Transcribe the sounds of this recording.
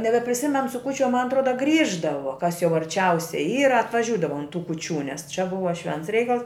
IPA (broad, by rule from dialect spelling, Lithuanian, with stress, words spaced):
nʲɛbʲɛpʲrʲɪˈsʲɪmʲɛn sʊ kuː t͡ʃʲɛ mɐn ɐtˈroːdɐ ˈɡrʲiːʒdɐʋoː kɐs jɛʊ ɐrʲˈt͡ʃʲɛʊsʲɛɪ ˈiːrɐ ɐtʋɐˈʒʲuːdɐʋɐ ʊn tuː kuːˈt͡ʃʲuː nʲɛs t͡ʃʲɛ ˈbʊʋɐ ˈʃʲʋʲɛnts ˈrʲɛɪkɐlˠs